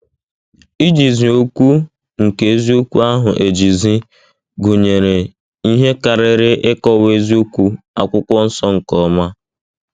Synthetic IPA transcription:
i˦d͡ʒi˨zi˨o˦kʷu˦ | ŋ̩˨ke˨e˦zi˦o˦kʷu˦a˦ɦʊ˨ʔe˨d͡ʒi˨zi˦ | ɡu˨ɲe˨ɾe˨ | i˦ɦe˦ka˨ɾɪ˦ɾɪ˦ʔɪ˦kɔ˦we˦zi˦o˦kʷu˦ | a̰˨kʷʊ˦kʷɔ˦n̩˦sɔ˦ŋ̩˨kɔ˦ma˦

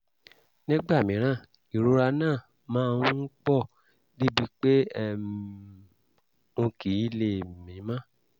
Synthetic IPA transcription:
nĩ˦ɡ͡ba˦˨mĩ˨˦ɾ̃ã˦˨ | i˨ɾo˦ɾa˧nãː˦˨ | mãː˦˧˦n̩˦k͡pɔ˦˨ | di˦bi˧˦k͡pe˦ɛ˦˨ | ũ˧ki˨˦le˦˨mĩ˨˦mã˦

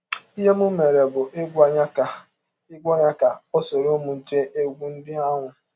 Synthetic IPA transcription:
i˦ɦe˦mʊ˦me˨ɾe˨bʊ˨ʔe˦ɡʷɲ˦k | i˦ɡʷɔ˦ɲa˦ka˨ɔ˦so˨ɾo˦mʊ˨n̩˨t͡ʃe˦ʔe˦ɡʷu˦n̩˦dɪ˦a˦ŋʷʊ˨

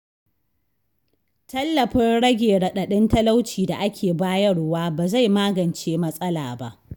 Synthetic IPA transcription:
tɐ˦lːɐ˨ɸɪ˦nɽɐ˦ɡʲeː˨ɽɐ˨ɗɐ˨ɗɪ˦ntɐ˦la˦wt͡ʃiː˨da˨ʔa˦kʲʰeː˨baː˦jɐ˦ɽwaː˦baː˨za˦˨jmaː˦ɡɐ˨nt͡ʃeː˦mɐ˦sʼɐ˦laː˨ba̰˦ʔ

